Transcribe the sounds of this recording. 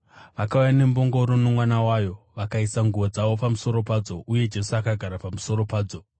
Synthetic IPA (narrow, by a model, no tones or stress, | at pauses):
ʋakaujane̞mbo̞ŋɡo̞ɾonomwanawaːjo̞ʋakaisaŋɡuʋod͡zaʋo̞pamuso̞ɾo̞paːd͡zo̞ʔuje̞d͡ʒe̞suakaɡʱaɾapamuso̞ɾo̞paːd͡zo̞